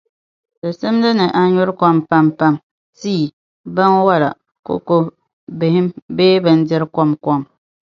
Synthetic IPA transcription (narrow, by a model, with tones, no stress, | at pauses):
dɨ˨sɨ˦m˦dɨ˦nɨ˨ʔa˦ɲʊ˦ɾkɔ˦mpa˦mpa˦m | siː˦˨ | ba˦n˦wa˦la̰˨ | ko̰˦ko˦ | bɪ˨hɪ˦mbeː˦bɨ˦n˦dɪ˦ɾkɔ˦mkɔ˦m